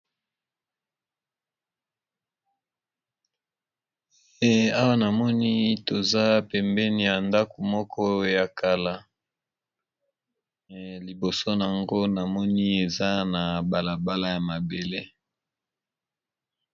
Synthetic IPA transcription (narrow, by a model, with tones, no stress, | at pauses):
e˦a˦wa˦na˨mɔ˦ni˦to˨za˦pɛ˨mbɛ˦ni˨ja˨nda˦ko˨mɔ˦kʰɔ˦ja˨ka˨la˨ | li˨bo˨so˦n˨a˨ŋɡo˦na˨mɔ˦ni˦e˨za˦na˨ba˨la˨ba˦la˦ja˨ma˨be˨le˦